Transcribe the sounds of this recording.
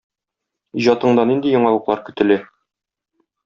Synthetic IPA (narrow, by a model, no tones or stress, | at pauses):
iʑɑt̪ɤ̆ɴd̪ɑnind̪ijŏɴɑlˠɤ̆qlˠɑɾkɵ̆t̪ɘ̆lɘ